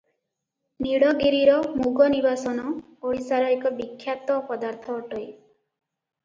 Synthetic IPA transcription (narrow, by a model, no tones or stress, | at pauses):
niɽɔɡiɾiɾɔmuɡɔnibasɔnɔ | oɽisaɾɔekɔbikʰːjat̪ɔpɔd̪aɾt̪ʰɔːʈɔj